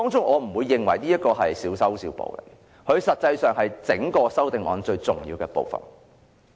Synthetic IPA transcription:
t̪ɔː˥ŋt͡sʊ˥ŋʔɔː˨˧m̩˨˩wuː˨˧jːɪ˨˩ŋwɐ˨˩jniː˥jɐ˥t̚kɔː˧ɦɐ˨jsiː˨˥wsɐ˥wsiː˧wpo̰˨˧wlḛ˨˩ | hʰɵ˨˧ɥsɐ˨t̚t͡sɐ˧jsœː˨ŋhɐ˨jt͡sɪ˨˥ŋkɔː˧sɐ˥wt̪ɪ˨ŋʔɔ̰ː˨˧nt͡sɵ˧ɥt͡sʊ˨˩ŋjiː˧wkɛː˧po̰˨˧wfɐ̰˨˩n

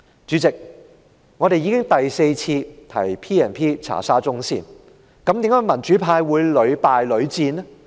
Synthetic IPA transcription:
t͡ʃyː˨˥t͡sɪ˨k̚ | ŋɔː˨˧ɾe˨jiː˧˥kɪ˥ŋt̪ɐ˨jse˧jt͡sʰiː˧t̪ʰɐ̰˨˩jpʰiː˥ɛː˨˩npʰiː˥t͡sʰa̰ː˨˩saː˥t͡sʊ˥ŋsḭː˥˩n | kɐ˨˥mt̪i˨˥ŋkɐ˥mɐ˨˩nt͡ʃyː˨˥pʰaː˧jwuː˨˧jlɵ˨˧ɥpaː˨jlɵ˨˧ɥt͡siː˧n˥

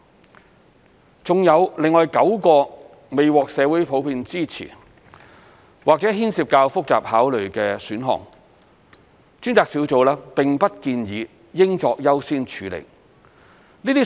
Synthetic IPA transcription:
t͡sʊ˨ŋjɐ˨˧wlɪ˨ŋːɔː˨jkɐ˨˥wkɔː˧ | me˨jwɔː˨k̚sɛː˨˧wu˨˥jpʰo˨˥wpiː˧nt͡siː˥t͡sʰḭː˨˩ | waː˨k̚t͡sɛ˨˥ɦiː˥nsiː˧p̚kaː˧wfʊ˥k̚t͡sa̰ː˨p̚haː˨˥wlɵ˨˩ɥkɛː˧syː˨˥nɦɔ̰ː˨ŋ | t͡ʃyː˥nt͡saː˨k̚siː˨˥wt͡so˨˧wlaː˥pɪ˨˩ŋpɐ˥t̚kiː˧njiː˨˧ | jɪ˥ŋt͡sɔː˧k̚jɐ˥wsiː˥nt͡ʃʰyː˨˧lḛ˨˩j | niː˥t̪iː˥

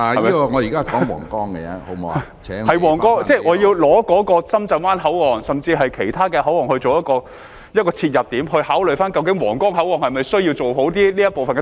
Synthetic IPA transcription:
a˨˩mi˥kɔ˧ŋɔ˨˧ji˨kaː˥˨kɔː˨˥ŋwɔ̰ː˨˩ŋkɔː˥ŋkɛ˧jɛ̰˧˥ho˨˦˥moː˨˧˨ | t͡sʰɛː˨˥ŋhɐ˨jwɔː˨˩ŋkɔː˥ŋt͡sɛː˥˩ʔɔː˨˧ji˧wlɔː˨˥kɔː˨˥kɔː˧t͡sɐ˥mt͡sɐ˨˧nwaː˥nɦɐ˨˥wɔː˨ŋsɐ˨mt͡siː˧ɦɐ˨jkʰe˨˩jt̪ʰaː˥kɛː˧hɐ˨˥wɔː˨˩ŋhɵ˧ɥt͡so˨wjɐ˥t̚kɔː˧ | jɐ˥t̚kɔː˧t͡sʰiː˧t̚jɐ˨p̚t̪iː˨˥mhɵ˧ɥhaː˨˥wlɵ˨ɥfaː˥nkɐ˧wk̬ɪ˨˥ŋwɔ̰ː˨˩ŋkɔː˥ŋhɦɐ˨˥wɔː˨˩ŋhɐ˨jmɐ˨jsɵ˥ɥji˧wt͡so˨who˨˥wt̪iː˥liː˥jɐ˥t̚po˨wfɐ˨nkɛ˧

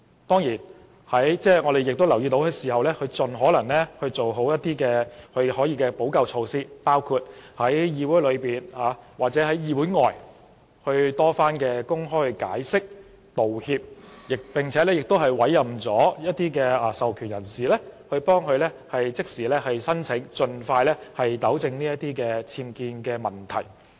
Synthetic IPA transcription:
t̪ɔː˥ŋjiː˨˩n | hɐ˨˥jt͡sɛː˥˩ŋɔː˨˧d̪e˨jɪ˨k̚t̪o˥wlɐ˨˩wjiː˧t̪o˨˥wkʰɵ˧jsiː˨˩ɦɐ˨wlɛː˥kʰɵ˧ɥt͡sɵ˨nɦɔː˨˥lɐ˨˩ŋlɛ˥hɵ˧ɥt͡so˨wɦo˨˥wjɐ˥t̪̚iː˥kɛː˧hɵ˧ɥhɔː˨˥jiː˧kɛː˧po˨˥wkɐ˧wt͡ʃʰo˧wsiː˥paː˥wkʰuː˧t̚hɐ˨˥jjiː˧wuː˨˥jlɵ˨˧ɥpiː˨nhaː˨˧˦waː˨k̚t͡sɛ˨˥hɐ˨˥jjiː˨˧wuː˨˥jŋɔː˨j | hɵ˧ɥt̪ɔː˥faː˥nkɛː˧kʊ˥ŋɦɔː˥jhka̰ː˨˥jsɪ˥k̚ | t̪o˨whiː˧p̚jɪ˨k̚pɪ˨ŋt͡sʰɛː˨˦lɛː˥jɪ˨k̚t̪o˥wɦɐ˨jwɐ˨˥jːɐ˨˩mt͡sɔː˨˥jɐ˥t̚t̪iː˥kɛː˧ɐ˨sɐ˨wkʰyː˨˩njɐ˨˩nsiː˨lɛː˥hɵ˧ɥpɔː˥ŋhɵ˧ɥlɛ˥hɐ˨jt͡sɪ˥k̚siː˨˩lɛː˥hɐ˨jsɐ˥nt͡sʰɪ˨˥ŋt͡ʃɵ˧nfaː˧jlɛː˥hɐ˨jt̪ɐ˨˥wt͡sɪ˧ŋniː˥jɐ˥t̪iː˥kɛː˧t͡sʰiː˧mkiː˧nkɛː˧mɐ˨˩nt̪ʰɐ̰˨˩j

